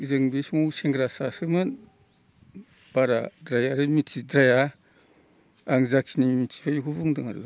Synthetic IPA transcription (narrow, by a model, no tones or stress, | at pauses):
zɯŋbismuseŋɡɾasasɯmɯn | b̥aɾa̰dɾajaɾɯmitʰidɾaja | ŋzakʰinimitʰi̥bʰajukuβuŋdɯŋaɾla